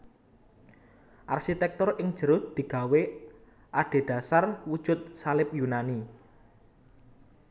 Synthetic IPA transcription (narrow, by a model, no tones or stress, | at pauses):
ʔarʃit̪ɛk̚t̪ɔrɪŋd̥ʒ̥ə̤ɾʊt̪̚d̪̥i̤ɡ̥a̤we | ʔaɖ̥e̤ɖ̪̥a̤sarwud̥ʒ̥ʊ̤t̪̚salɪpjunani